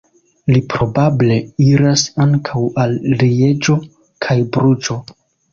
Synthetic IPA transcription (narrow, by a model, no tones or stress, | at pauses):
lipɾo̞bable̞iɾasaŋkʰawalːie̞d͡ʒo̞ | kʰajbɾud͡ʒo̞